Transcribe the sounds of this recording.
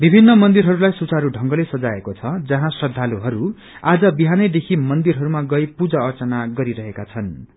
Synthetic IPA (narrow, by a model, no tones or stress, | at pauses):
bibʱinːʌmʌnd̪iɾɦʌɾulajsut͡saɾuɖʱʌŋɡʌlesʌd͡zaekot͡sʰʌd͡zʌɦãsrʌd̪ʱaluɦʌɾu | ad͡zʌbiɦanʌjd̪ekʰimʌnd̪irɦʌɾumaɡʌjpud͡zʌʌrt͡sʌnaɡʌɾiɾʌɦekat͡sʰʌn